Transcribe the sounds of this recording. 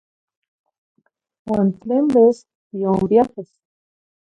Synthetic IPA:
went̪lembes | bjombjaxes

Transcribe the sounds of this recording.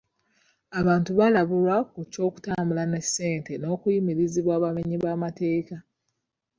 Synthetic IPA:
aβaːntuβalaβulwakuco̞ːku̥taːmbulane̞sːe̞ːnteno̞ːkujimiɾiziβwaːβameɲiβaːmate̞ːka

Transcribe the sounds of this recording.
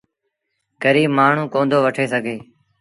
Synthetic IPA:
kəɾiːmaːɳ̤ũːkõːnd̪oːʋəʈʰeːsəɡʱeː

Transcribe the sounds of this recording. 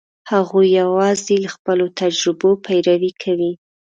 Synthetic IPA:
haɣujːawɑzelaxpəlot̪ad͡ʒɾɪbopʰajɾawikʰawi

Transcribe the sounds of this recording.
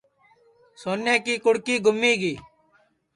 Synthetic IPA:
soːnːẽːkiːkʊɽkiːɡʱʊmːiːɡiː

